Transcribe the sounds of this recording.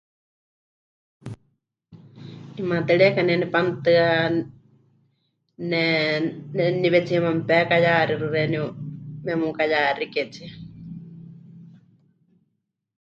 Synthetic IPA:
imat̪ɛɺɛkanɛnɛpant̪ɨa | nɛnɛniβɛt͡siɛmampɛakajaɾirɨɾɛniumɛmukajaɾikɛt͡sʰia

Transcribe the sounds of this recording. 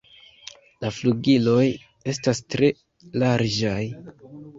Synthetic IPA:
lafluɡilo̞j | e̞stastɾe̞ | laɾd͡ʒaj

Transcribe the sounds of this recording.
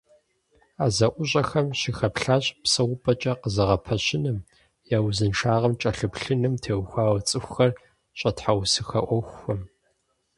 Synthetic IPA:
aːzɐʔʷʊɕʼɐxɐmʃixɐpɬaːɕʼpsɐʁʷʊpʼɐt͡ʃʼɐqəzɐʁɐpʰɐɕɪnɨm | jaːwzɨnʂaːʁɐmt͡ʃʼɐɬɨpɬɨnɨmtʰeːwxʷaːwɐt͡sʼɨxʷxɐr | ɕʼɐtħawsɨxɐʔʷɔxʷxʷɔm

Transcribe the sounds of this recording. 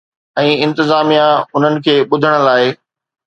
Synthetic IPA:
ɛ̃ːɪ̃nt̪ɪzaːmijãʊn̤ənɪ̆kʰeːɓʊd̪ʱəɽ̃ə̆laːɪ

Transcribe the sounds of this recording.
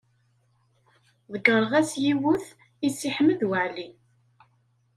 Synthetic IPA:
ðəɡəɾˤəʁæsjiwʊθ | isːiħməðwəʕli

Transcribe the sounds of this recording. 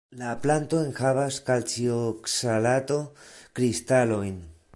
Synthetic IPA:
laplant̪o̞enxaβaskalt͡sioksalat̪o̞kɾist̪alo̞jn

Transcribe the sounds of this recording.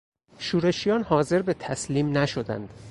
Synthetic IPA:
ʃuːɾe̞ʃijɒːnhɒːze̞ɾbe̞t̪ʰæsliːmnæʃod̪æ̰nd̪̥

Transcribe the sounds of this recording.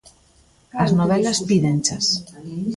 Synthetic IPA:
aznoβɛlaspiðent͡ʃas

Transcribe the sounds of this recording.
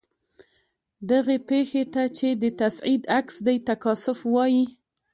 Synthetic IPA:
d̪aɣepexet̪at͡ʃed̪ət̪asʕid̪aksd̪ajt̪akɑsʊfwɑji

